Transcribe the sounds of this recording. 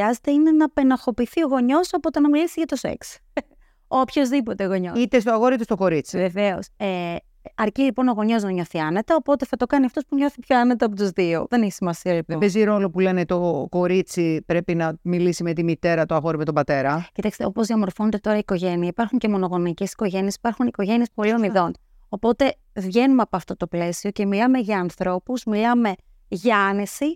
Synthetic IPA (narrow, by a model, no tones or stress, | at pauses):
ɐze̥t̪eine̞nɐpe̞nɐxo̞piθio̞ɣo̞ɲo̞sɐpo̞t̪enɐmilisiʝɐt̪o̞sḛks | opço̞zðipo̞t̪eɣo̞ɲoit̪est̪oɐɣoɾoit̪est̪oko̞ɾit͡si̥ve̞ve̞ose | ɐɾcilipo̞no̞ɣo̞ɲo̞znɐɲo̞θiɐnet̪ɐopo̞t̪e̞θɐt̪o̞kɐniɐft̪ospuɲo̞θipçoɐnet̪ɐɐpo̞t̪uzðioðe̞neçi̥simɐsiɐlipopeziɾo̞lo̞pule̞net̪o̞ko̞ɾit͡sipɾe̞pinɐmilisime̞t̪imit̪e̞ɾɐt̪oɐɣo̞ɾimet̪obɐt̪e̞ɾɐcit̪ɐkst̪o̞pozðiɐmo̞ɾfo̞net̪e̞t̪o̞ɾɐiko̞ʝe̞niɐipɐɾxuɲce̞mo̞no̞ɣo̞nice̞si̥ko̞ʝe̞niesi̥pɐɾxuniko̞ʝe̞nie̞spo̞liomiðo̞n | o̞po̞t̪e̞ | vʝe̞numeɐpoɐft̪o̞t̪o̞ple̞sio̞ce̞milɐme̞ʝɐːnθɾo̞puzmilɐme̞ | ʝɐɐne̞si